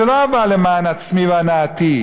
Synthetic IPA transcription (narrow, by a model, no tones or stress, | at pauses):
lavalemaːnat͡smivanat̪i